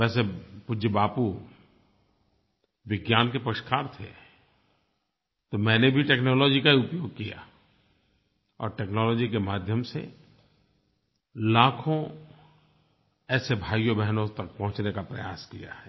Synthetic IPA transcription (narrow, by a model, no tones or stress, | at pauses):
ɛːsepʊd͡ʒəbaːpu | ʋɪɡjaːnkepɐkʃkʰaːɾt̪ʰḛ | t̪omɛ̃ːnebʱiʈeːknɔːlɔːd͡ʒikaiʊpjoːɡ̚kija̰ː | ɔ̰ːɾʈeːknɔːlɔːd͡ʒikemaːd̪ʱjəmsḛ | laːkʰõ | ɛːsebʱaːjobɛɦnõt̪ɐk̚pɐ̃ɦʊ̃t͡ʃnekapɾɐjaːskija̰ɦɛ